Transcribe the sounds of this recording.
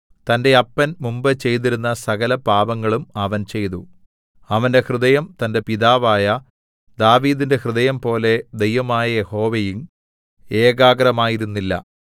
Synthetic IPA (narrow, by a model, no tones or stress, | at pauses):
t̪ɐnde̞ɐpːɐnmumbɨt͡ɕe̞jt̪̬iɾunːɐsɐɣɐlɐpaːbɐŋːɐɭumɐʋɐnt͡ɕe̞jt̪u | ɐʋɐnde̞hrɨðɐjɐmt̪ɐnde̞piðaːʋaːjɐ | d̪aːʋiːðinde̞hrɨðɐjɐmpo̞ːle̞d̪ejʋɐmaːjɐje̞ho̞ːʋejum | e̞ːɡaːɡɐɾɐmaːjiɾunːilːɐ̰